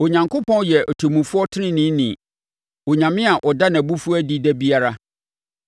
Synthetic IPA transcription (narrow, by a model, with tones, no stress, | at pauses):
o˨ɲã˨ŋkʰo˦pʰɔ̃˦n˦jɛ˨ʔɔ˨tʰo˨mũ˨fʊ˦ɔ˦tʰɪ˦nɪ̃˦nɪ̃˨˦nĩ˨ | o˨ɲã˨mɪ̃˦a˨ʔɔ˨da˦nã˨bu˦fu˦æ˦di˦dɛ˦bi˦a˦ɾa˦